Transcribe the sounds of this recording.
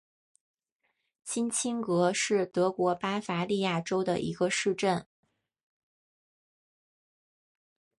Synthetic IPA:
t͡ɕʰi˥nt͡ɕʰi˥ŋkɤ˧˥ʂɻ̩˥˩t̪ɤ˧˥kwɔ˧˥pa˥fa˧˥li˥˧ja˥˩ʈ͡ʂo˥ʊd̪ə̰˨ʔḭ˧˥ɡə˧ʂɻ̩˥˧ʈ͡ʂə˥˩n

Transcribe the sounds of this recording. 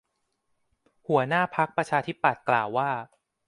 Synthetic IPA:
hu˩˦ɐnaː˥˩pʰa˦˥k̚pɾa˧t͡ɕʰaː˧t̪ʰi˦˥pːa˨˩t̪̚klaː˨˩wːaː˥˩

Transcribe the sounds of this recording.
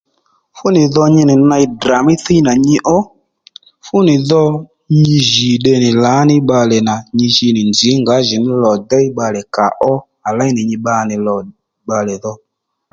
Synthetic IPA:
fʊ˦nɪ˨ðɔ˧ɲɪ˧nɪ˨na˧jdra˨mɪ˦θi˦na˨ɲɪ˧˦ʔɔ˦ | fʊ˦nɪ˨ðɔ˧ | ɲi˧ʒɪ˨ɗɛ˧nɪ˨la˨˦nɪ˦ɓa˧lɛ˨na˨ɲi˧ʃi˧nɪ˨nd͡ʒɪ˨˦ŋɡa˨˦ʒɪ˨nɪ˦lɔ˨dɛ˦i˦ɓa˧lɛ˨ka˨ʔɔ˦ | a˨la˦nɪ˨ɲɪ˧ɓa˧nɪ˨lɔ˨ | ɓa˧lɛ˨ðɔ˧

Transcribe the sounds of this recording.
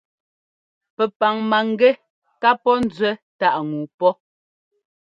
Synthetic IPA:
pɛ˨pa˨ŋma˨ŋ̩˦ɡɛ˦ | ka˦pɔ˦n̩˦d͡zwɛ˦ta˦ʔŋu˨pɔ˦

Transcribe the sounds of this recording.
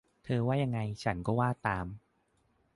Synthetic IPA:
t̪ʰɤː˧waː˥˩ja˧ŋːa˧jt͡ɕʰa˦˥nkɔː˥˩waː˥˩t̪aː˧m

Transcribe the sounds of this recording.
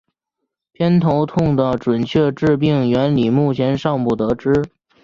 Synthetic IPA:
pʰjɛ˥nt̪ʰo˧˥ʊt̪ʰʊ˥˩ŋd̪ə˩ʈ͡ʂwə˨˩nt͡ɕʰɥɛ˥˧ʈ͡ʂɻ̩˥˧p̬i˥˩ŋɥɛ˧˥nli˨˩mu˥˩t͡ɕʰjɛ˧˥nʂɑ˥˧ŋpu˨˥˩t̪ɤ˧˥ʈ͡ʂɻ̩˥

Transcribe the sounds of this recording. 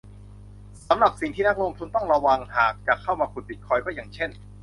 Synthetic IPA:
sa˨˦mɾa˨˩p̚si˨˩ŋt̪iː˥˩na˦˥k̚lo˧mt̪ʰu˧nt̪ɔ˥˩ŋɾa˧wa˧ŋhaː˨˩k̚t͡ɕa˨˩kʰːa˥˩wmaː˧kʰu˨˧nbi˨˩t̪̚kʰɔː˧˥jkɔː˥˩jaː˨˩ŋt͡ɕʰe˥˩n

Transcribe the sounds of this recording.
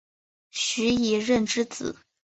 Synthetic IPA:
ɕy˧˥i˨˩ɻə˥˩nʈ͡ʂɻ̩˥t͡sɹ̩̰˨˩˦

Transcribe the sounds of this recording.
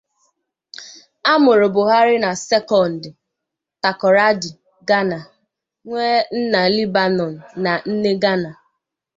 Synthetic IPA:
a˦mʊ˨ɾʊ˨bʊ˨ɦa˦ɾɪ˦na˨sɛ˦kɔ˨n̩˨d | ta˨kɔ˨ɾa˦di˨ | ɡa˦na˨ | ŋʷe˦n̩˦na˨li˦ba˨nɔ˨n̩˨na˨n̩˦ne˦ɡa˦na˨

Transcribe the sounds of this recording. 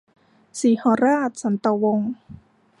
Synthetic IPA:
siː˨˩˦hɔː˧˦ɾaː˥˩t̪̚sa˨˩˦nt̪a˧wo˧ŋ

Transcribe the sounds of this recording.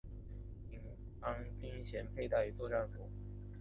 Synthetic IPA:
i˨˩ŋ | ɑ˥ŋt̪i˥ŋɕjɛ˧˥npʰe˥˧ɪt̪a˥˩ɪy˧˥t̪wɔ˥˧ʈ͡ʂa˥˩nfu˨˧˥

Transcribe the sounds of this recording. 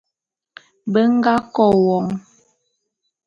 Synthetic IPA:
bə˦ŋ˦ɡa˦kɔ˦˨wɔ˨˦ŋ

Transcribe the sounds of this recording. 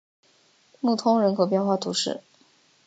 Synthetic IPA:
mu˥˩t̪ʰʊ˥ŋɻə˧˥nkʰɤ˧˥p̬jɛ˥˧nxwa˥˩t̪ʰu˧˥ʂɻ̩˥˩

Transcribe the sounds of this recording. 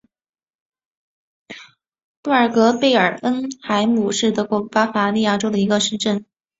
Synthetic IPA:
mu˥˩ə˞˨˩kɤ˧˥pe˥˩ɪə˞˨˩ə˥nxa˧˥ɪmu˨˩ʂɻ̩˥˩t̪ɤ˧˥kwɔ˥˩pa˥fa˧˥li˥˧ja˥˩ʈ͡ʂo˥ʊd̪ə˨˩i˧˥ɡə˧ʂə˥˧nʈ͡ʂə˥˩n

